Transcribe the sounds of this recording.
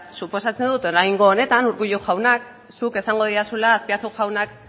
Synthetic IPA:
supo̞sat͡send̪ut̪oɾajŋɡo̞ːne̞t̪anuɾɣuʎuʝawnak | suke̞saŋɡo̞ð̞iasulaːspiat͡suʝawnak̚

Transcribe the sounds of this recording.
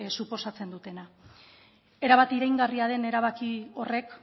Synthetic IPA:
supo̞sat͡se̞nd̪ut̪e̞na | e̞ɾaβ̞at̪iɾajŋɡariað̞e̞ne̞ɾaβ̞akio̞re̞k

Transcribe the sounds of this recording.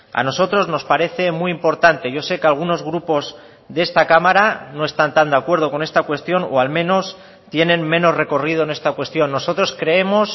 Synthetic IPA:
a̰no̞so̞t̪ɾo̞zno̞spaɾe̞θe̞miimpo̞ɾt̪ant̪e̞ʝo̞se̞kealɣ̞uno̞zɣ̞ɾupo̞z | ðee̞st̪akamaɾano̞e̞st̪ant̪and̪akwe̞ɾð̞o̞ko̞ne̞st̪akwe̞st̪jo̞no̞̰almẽ̞no̞s | t̪je̞nẽ̞nmẽ̞no̞zre̞ko̞rið̞o̞ene̞st̪akwe̞st̪jo̞nːo̞so̞t̪ɾo̞skɾe̞emo̞s

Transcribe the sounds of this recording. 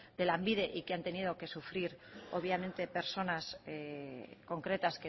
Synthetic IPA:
d̪e̞lambiðe̞ʔikeant̪e̞nið̞o̞ke̞sufɾiɾo̞βjamẽ̞nt̪e̞pe̞ɾso̞nas | ko̞ŋkɾe̞t̪aske

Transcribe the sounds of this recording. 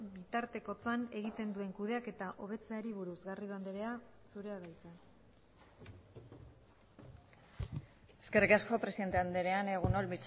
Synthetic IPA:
bit̪aɾt̪e̞ko̞t͡sane̞ɣit̪e̞nd̪ue̞ŋkuðe̞ake̞t̪aʔo̞β̞e̞t͡se̞aɾiβ̞uɾuzɣariðuand̪eɾe̞a | suɾe̞aðajt͡se | eskerikasko̞pɾeiðent̪eand̪eɾeane̞ɣ̞unolβit͡s

